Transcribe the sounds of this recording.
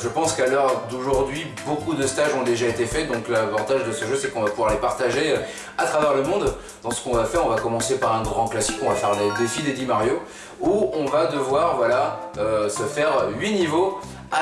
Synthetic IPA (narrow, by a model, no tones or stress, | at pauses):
ʒəpɑ̃skalœʁd̪oʒuʁd̪ɥi | bokud̪əst̪aʒɔ̃d̪eʒaet̪efɛd̪ɔ̃klavɑ̃t̪aʒd̪əsəʒøsɛkɔ̃vapuvwaʁlepaʁt̪aʒeø | at̪χavɛʁləmɔ̃d̪ | d̪̥ɑ̃sə̥kɔ̃vafɛʁɔ̃vakɔmɑ̃sepaʁɛ̃ɡʁɑ̃klasi̥kɔ̃vafɛʁled̪efid̪ed̪imaʁjo | uɔ̃vad̪əvwaʁvwalaøsəfɛʁɥinivo | a